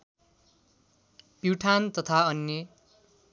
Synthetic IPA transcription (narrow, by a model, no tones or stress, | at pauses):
piwʈʰant̪ʌt̪ʰaʌnje